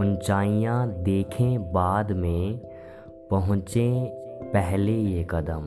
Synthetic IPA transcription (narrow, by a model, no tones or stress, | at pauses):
ʊnt͡ʃaːijãd̪eːkʰẽbaːd̪mẽ | pɐɦʊ̃t͡ʃẽpɛɦlejekəd̪əm